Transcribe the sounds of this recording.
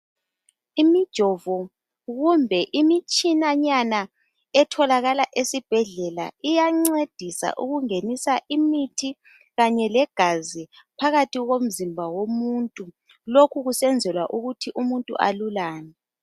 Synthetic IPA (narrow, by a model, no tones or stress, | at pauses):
imid̥ʒ̥ʱɔvɔ | ɣumbʱɛʔimit͡ʃʼinaɲana | ɛtʰɔlaɣalaʔesib̥ʱɛɮɛla̰ijaŋ͡ǀed̥ʱisa̰ʔuɣuŋenisaʔimitʰi | ɣaɲɛlɛɡ̥ʱazi | pʰaɣatʰiɣom̩zimbʱawomuntʼu | lokʰuɣusɛnd͡zʱɛlwaʔuɣutʰiʔumuntʼṵʔa̰lulaːnɛ